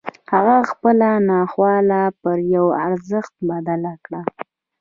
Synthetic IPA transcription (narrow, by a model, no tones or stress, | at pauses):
haɣaxpəlanɑxwɑlapəɾjawaɾzəxt̪̚bad̪alakɽa